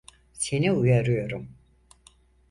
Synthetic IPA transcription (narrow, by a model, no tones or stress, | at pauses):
seniujaɾujoɾum